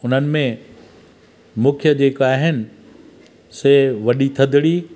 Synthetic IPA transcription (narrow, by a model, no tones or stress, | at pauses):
ʊn̤ənɪ̆mẽ | mũːkʰjəd͡ʑeːkaːɦɪnɪ̆ | seːʋɐɗit̪ʰɐd̪ʱɪɽi